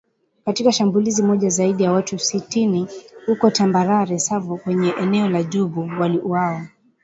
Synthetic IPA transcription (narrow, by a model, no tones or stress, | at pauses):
katikaʃambulizimɔʄazaiɗijawatusitinihukɔtambaɾaɾɛsavɔkwɛɲɛʔɛnɛɔlaʄuɓuwaliʔuawa